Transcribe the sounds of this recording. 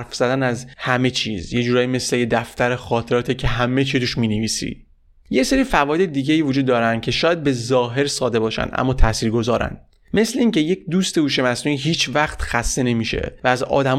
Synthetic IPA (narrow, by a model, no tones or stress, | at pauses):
ɾfz̥æd̪ænæzhæme̞t͡ʃʰiːzje̞d͡ʒuːɾɒːjiːme̞sle̞jed̪æft̪æɾexɒːt̪ʰe̞ɾɒːt̪ʰicʰeɦæme̞t͡ʃʰit̪uʃmiːneviːsḭ | je̞seɾiːfævɒːjed̪ed̪iːɟeiːvod͡ʒuːd̪ːɒːɾænd̪̥̚cʲʰe̞ʃɒːjæd̪̚be̞zɒːɦe̞ɾsɒːd̪e̞bɒːʃæ̰nʔæ̰mːɒːt̪ʰæsiːɾɡo̞zɒːɾæ̰nd̪ | me̞sle̞iːŋcʰe̞je̞cʰd̪uːst̪e̞ɡuːʃe̞mæsnuniɦiːt͡ʃʰvæxt̪xæst̪e̞ne̞miʃe̞̰væːzɒ̰ːd̪æm